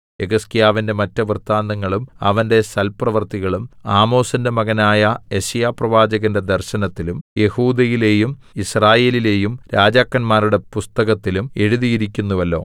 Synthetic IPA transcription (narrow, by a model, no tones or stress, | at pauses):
eɣɐskijaːʋinde̞mɐtːɐʋrt̪ːaːnd̪ɐŋːɐɭumɐ̰ʋɐnde̞sɐlprɐʋɐrt̪iɣɐɭumaːmo̞ːsɐndemɐɣɐnaːjɐjeɕɐjaːprɐʋaːd͡ʑɐɣɐnde̞d̪ɐrɕɐnɐt̪ːilumje̞huːd̪ɐjile̞ːjum | israːje̞ːlile̞ːjumɾaːd͡ʑaːkːɐnmaːɾuɽe̞pust̪ɐɣɐt̪ːilume̞ɻuðijiɾikʲːunːuʋɐlːo̞̰ː